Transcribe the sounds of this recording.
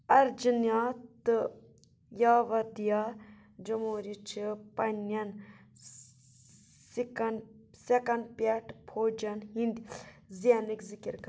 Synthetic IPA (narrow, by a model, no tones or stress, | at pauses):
ɐɾd͡ʒinjaːt̪ɨ | jaːʋɐd̪ija | d͡ʒɐmoːɾit͡ʃʰipɐnɐn | sikɐn | sekɐnpʲɐʈʰpʰoːd͡ʒɐnɦind̪ʲizianɨkʲzikiɾkɐ